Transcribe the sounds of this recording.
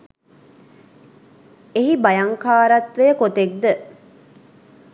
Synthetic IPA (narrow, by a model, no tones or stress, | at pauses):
eɦibɐjɐŋkaːɾɐt̪ʋejəkot̪ek̚d̪ə